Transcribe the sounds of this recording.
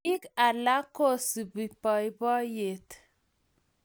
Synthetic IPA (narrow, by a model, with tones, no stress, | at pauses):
i˦ka˨la˦ko˦˨si˨bi˨pɔ˨jbɔ˦je˨t̪